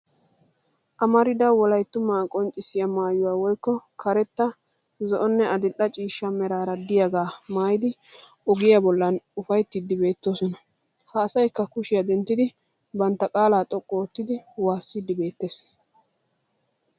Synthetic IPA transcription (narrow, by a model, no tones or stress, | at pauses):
ʔɐmɐɾɪd̪ɐwɔlɐjt̪ːʊmaːkʼɔnt͡ʃʼːɪsɪjɐmaːjʊwaːwɔjkːɔkʰɐɾɛt̪ːɐ | zɔʔɔnːɛʔɐd̪ɪʔɐt͡ʃʼiːʃːɐmɛɾaːɾɐd̪ɪjaɡaːmaːjɪd̪ɪ | ʔɔɡɪjɐbɔlːɐnʊfɐjt̪ːɪd̪ːɪbe̞ːt̪ːoːsɔnɐ | hɐːsɐjkːɐkʊʃɪjɐd̪ɛnt̪ːɪd̪ɪ | bɐnt̪ːɐkʼaːlaːt̪ʼɔkʼːoːt̪ːɪd̪ɪwaːsːid̪ːɪbe̞ːt̪ːes